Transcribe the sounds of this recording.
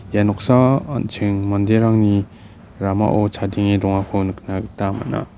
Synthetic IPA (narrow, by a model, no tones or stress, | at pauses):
janɔk̚saa̰nt͡ʃʰɯŋmɔndeɾaŋni | ɾama̰ʔɔt͡ʃʰadiŋedɔŋakʰɔnɯkʰnaɡɯtama̰na̰